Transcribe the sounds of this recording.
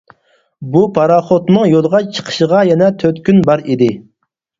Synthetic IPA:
bupʰɑɾɑχot̪nɨŋjolˠəʁɑt͡ʃʰə̥qʰə̥ʃəʁɑjɛnɛt̪ʰøt̪kʲynbɑɾid̪ɪ

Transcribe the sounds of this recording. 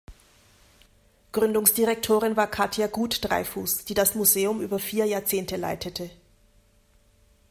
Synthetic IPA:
ɡ̥ʁʏndʊŋsd̥iʁɛk̚tʰoːʁ̞ɪnvaːɐkʰatjaɡuːtd̥ʁa̰ɪfuːsd̥iːdasmuzeːʊmʔyːbɐfiːɐjaːɐt͡seːntəla̰ɪtʰətʰə

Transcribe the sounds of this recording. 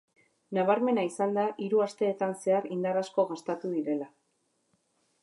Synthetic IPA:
naβaɾme̞naisand̪aʔiɾuast̪e̞ːt̪anse̞aɾind̪aɾasko̞ɣast̪at̪uðiɾe̞la

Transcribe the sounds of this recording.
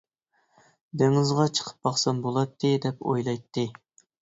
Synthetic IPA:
d̪eŋɪzʁɑt͡ʃʰə̥qʰə̥p̚bɑχsɑnbolˠɑt̪ʰːɨd̪ɛpo̰jlˠɑjt̪ʰːɨ

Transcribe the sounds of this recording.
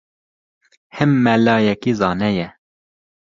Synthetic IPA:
hɛmːɛlɑːjɛkizɑːnɛjɛ

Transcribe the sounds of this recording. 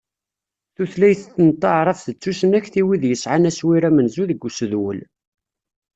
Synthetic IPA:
θuθlæjθθːənt̪ˤːɑʕɾˤɑfθət͡sːusənæçθiwiðjəsʕanæswiɾæmənzuðəɡːusəðwə̰l

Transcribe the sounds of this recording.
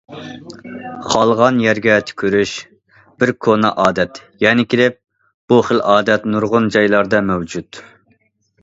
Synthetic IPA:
χʰɑlˠʁɑnjɛɾɡʲɛt̪ʰkʲʰyɾyʃ | b̥ɪɾkʰonɑʔɑːd̪ɛt̪jɛnɪkʲʰilɪp̚ | b̥uχəlɑːd̪ɛt̪nuɾʁʊnd͡ʒɑjlˠɑɾd̪ɑmɛwd͡ʒut̪

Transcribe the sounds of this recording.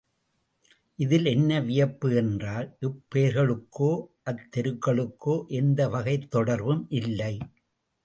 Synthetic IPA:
ʔɪðɪlɛnːɐʋɪjɐpːɯɛndraːlʔɪpːeːɾɣɐɭɯkːoːʔɐt̪ːɛɾɯkːɐɭɯkːoːʔɛnd̪ɐʋɐɣɐɪt̪ːɔɽɐɾʋɯmʔɪlːɐɪ

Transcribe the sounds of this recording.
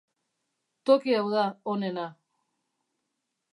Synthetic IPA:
t̪okiawðaone̞na

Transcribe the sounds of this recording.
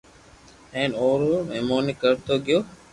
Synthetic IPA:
hɛ̃ɳoːɾoːmemoːnikəɾt̪oɡjoː

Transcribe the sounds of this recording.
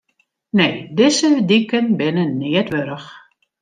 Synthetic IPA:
neːdɪzədikənbɪnənɪətʋøɾəx

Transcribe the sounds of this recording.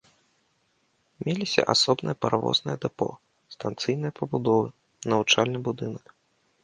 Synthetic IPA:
mʲelʲisʲɐ̰ʔasɔbnɨ̰jɐpɐɾvɔ̰znɨjɛd̪ɛpɔ̰ | st̪ant̪sɨjnɨjɐpɐbud̪ɔvɨ | nɐvut͡ʂalʲnɨbud̪ɨnɐk

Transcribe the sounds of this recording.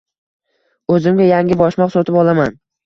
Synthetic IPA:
ɵzɪmɡʲajaŋʲɪbɒʃmɒqsɒt̪ʰɪpɒlˠaman

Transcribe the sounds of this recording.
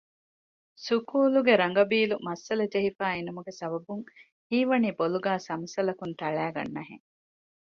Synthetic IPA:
sukuːluɡeɾɐŋ̆ɡɐbiːlumɐsːɐlɐd͡ʒeɦifæːenɐmuɡesɐbɐbuŋ | hiːʋɐniːboluɡæːsɐmɐsɐlɐkunt̪ɐɭæːɡɐ̰nːɐɦḛŋ

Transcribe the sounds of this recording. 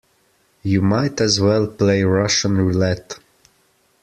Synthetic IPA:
jɨmaɪtɨzwɛlˠpleɪɹʌʃə̃nɹilɛt

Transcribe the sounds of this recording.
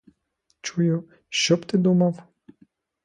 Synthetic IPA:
t͡ʃujʊ | ʃt͡ʃɔpt̪ɪd̪umaw

